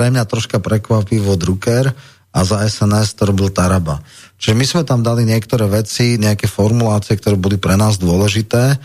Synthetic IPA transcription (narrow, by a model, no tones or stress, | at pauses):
ɾɛmɲat̪ɾɔʃkapɾɛkʋapiʋɔd̪ɾukɛɾ | ʔazaɛsɛnɛst̪ɔɾɔbilt̪aɾaba̰ | t͡ʃiʒɛmizmɛt̪amd̪aliɲɪɛkt̪ɔɾɛːʋɛt͡siɲɛakɛfɔɾmulaːt͡siɛkt̪ɔɾɛːbɔlipɾɛnaːzd̪ʊɔlɛʒit̪ɛː